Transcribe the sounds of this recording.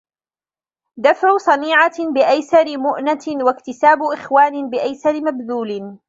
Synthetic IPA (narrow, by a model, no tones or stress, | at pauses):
d̪afʕʊsˤɑniːʕabɪʔajsɑɾɪmʊʔnawakt̪ɪsaːbʊʔɪxwaːnɪbɪʔajsɑɾɪmabðuːlɪ